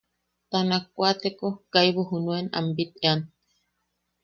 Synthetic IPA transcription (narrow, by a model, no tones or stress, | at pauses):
t̪anak̚ʷat̪ekokajβoɦunuena̰mbit̪ean